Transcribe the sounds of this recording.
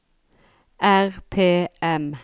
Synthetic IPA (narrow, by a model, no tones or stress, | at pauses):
ʔæʁpʰeːɛm